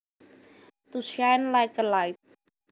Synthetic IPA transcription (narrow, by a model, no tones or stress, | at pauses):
t̪usjaɛnlajkəlaɪt̪̚